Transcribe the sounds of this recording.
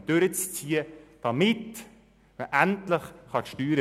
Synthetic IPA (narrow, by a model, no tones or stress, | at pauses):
d̥øɾət͡st͡siːəd̥ɑmɪt | məʔæntləχχɑʃtyːɾə